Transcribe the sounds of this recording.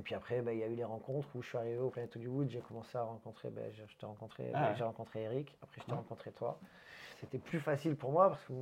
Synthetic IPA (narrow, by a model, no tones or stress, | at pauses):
epɥiapχɛbailjayleʁɑ̃kɔ̃t̪χuʒəsɥiaʁiveoplɛ̃nɛt̪od̪ywud̪ʒekɔmɑ̃seaʁɑ̃kɔ̃t̪χḛba̰ʒʒə̥t̪ɛʁɑ̃kɔ̃t̪χḛʒeʁɑ̃kɔ̃t̪χeeʁikapχɛʒə̥t̪eʁɑ̃kɔ̃t̪χet̪wa̰ | set̪ɛplyfasilpuʁmwapaʁsə̥kə